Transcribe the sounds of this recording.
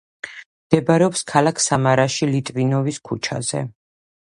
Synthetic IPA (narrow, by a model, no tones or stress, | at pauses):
md̪̥ɛbaɾɛɔpskʰalˠakʰsamaɾaʃilit̪ʼvinɔviskʰut͡ʃʰa̰z̥ɛ̰